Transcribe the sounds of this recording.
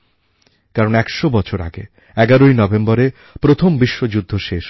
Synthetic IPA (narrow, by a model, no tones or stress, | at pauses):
kaɾonɛkʃobɔt͡ɕʰoɾa̰ɡḛ | ɛɡaɾojnɔbembɔɾe | pɾot̪ʰombiʃːod͡ʑud̪ʱːoʃeʃ